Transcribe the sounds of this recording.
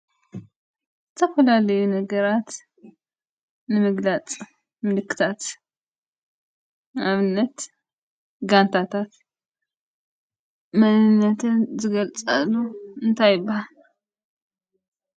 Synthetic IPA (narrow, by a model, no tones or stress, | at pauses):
zɨt̪ʰɐfɐlalɐjunɐɡɐɾat̪ | nɨmɨɡlat͡sʼ | mɨlɨkːɨ̥t̪ʰat̪ | aβɨnːɐt̪ | ɡant̪ʰat̪ʰat̪ | mɐnɨnːɐt̪ʰɨnzɨɡɐlt͡sʼalːuɨnt̪ʰajɪbːahal